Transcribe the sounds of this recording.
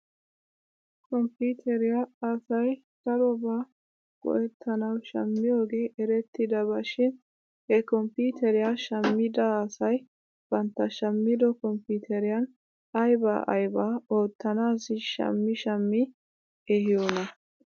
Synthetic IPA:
kɔmpuːt̪ʰɛɾɪjaːsɐj | sɐɾɔbaː | ɡ̥ɔ̰ʔɛt̪ʰːɐnɐwʃɐ̰mːɪjoːɡe̞ːʔɛɾɛt̪ːɪd̪ɐbɐʃɪn | hɛkɔmpiːt̪ɛɾɪjaʃɐmːɪd̪ɐːsɐj | b̥ɐnt̪ːɐʃɐmːɪd̪ɔkɔmpuːt̪ʰɛɾɪjɐn | ɐjba̰ːʔɐ̰jbaːoːt̪ːɐnaːsɪʃɐ̰mːɪʃɐmːɪ | ɛhɪjonɐ

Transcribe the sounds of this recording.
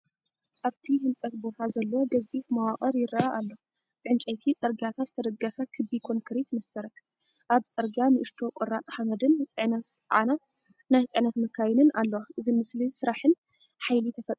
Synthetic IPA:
ʔaβt̪ʰihɨmt͡sʼɐt̪bo̞t̪ʰazɐlːwoɡɐzifmawaχʼɐɾjɪɾɐaʔalːo̞ | bʕɨnt͡ʃʼɐjt̪ʰit͡sʼɐɾɡiat̪ʰat̪zɨt̪ʰɐd̪ɐɡːɐfɐkʰɨbikʰo̞ŋkʰɨɾit̪mɐsɐɾɐt̪ | ʔaβt͡sʼɐɾɡjanɨʔɨʃt̪ʰo̞kʼoɾat͡sʼħamɐd̪ɨnt͡sʼɨʕnɐt̪z̥ɨt̪ʰɐ̥t͡sʼʕa̰na | najt͡sʼɨʕnɐt̪mɐkʰːajɪnɨnʔalːɐwaʔɨzimɨslisɨɾaħɨn | ħajlit̪ʰɐfɐt̪ʼɾu

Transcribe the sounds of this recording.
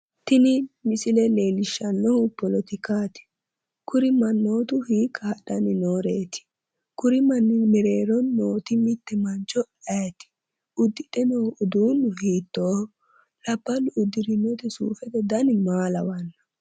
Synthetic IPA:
t̪ɪnɪmɪsɪlɛleːlɪʃːɐnːɔhʊpɔlɔt̪ɪkaːt̪ɪ̥ | kʊɾɪmɐnːoːt̪ʊhiːkːɐhɐɗɐnɪnoːɾeːt̪ɪ̥ | kʊɾɪmɐnːɪmɛɾeːɾɔnːoːt̪ɪmɪt̪ːɛmɐnt͡ʃɔ | ɐjt̪ɪ̥ | ʊd̪ːɪᶑɛnoʊd̪uːnʊhiːt̪ːoː | lɐbːɐlʊʊd̪ɪɾɪnːɔt̪ɛsṵːfɛt̪ɛd̪ɐnmaːlɐwɐnːɐ̥

